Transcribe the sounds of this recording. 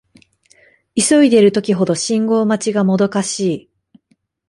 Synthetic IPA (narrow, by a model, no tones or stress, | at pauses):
iso̞id̪e̞ɾɯ̟t̪o̞kʲiɦo̞d̪o̞ɕĩŋɡo̞ːmat͡ɕiɡamo̞d̪o̞kaɕiː